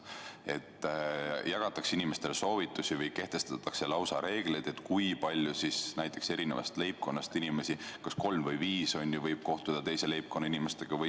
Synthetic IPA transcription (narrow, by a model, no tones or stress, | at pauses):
e̞t̪ː | jɑɡ̥ɑt̪ːˑɑksinime̞st̪e̞leso̞ːvit̪ˑːusivɯjke̞ht̪e̞st̪ɑt̪ːˑɑkse̞lɑwsɑɾe̞ːɡ̥le̞jd̪̥et̪ːˑkujpɑlʲjusisnæjt̪ːˑe̞kse̞ɾinevɑ̰st̪le̞jp̚ko̞nːɑst̪inime̞sikɑsko̞lmvɤjviːso̞nʲjuvɤjb̥̚ko̞ht̪ud̪̥ɑt̪e̞jsele̞jp̚ko̞nːɑinimest̪eɡ̥ɑvɤj